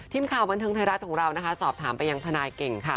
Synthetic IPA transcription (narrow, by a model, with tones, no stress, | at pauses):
t̪ʰiː˧˥˩mkʰaː˨˩wba˧nt̪ʰɤː˧ŋʰa˧jɾa˦˥t̪̚kʰɔː˩˦ŋɾa˧wna˦˥kʰa˦˥sɔː˨˩p̚t̪ʰaː˩˦mpa˧jːa˧ŋt̪ʰa˧naː˧jke˨˩ŋkʰa˥˩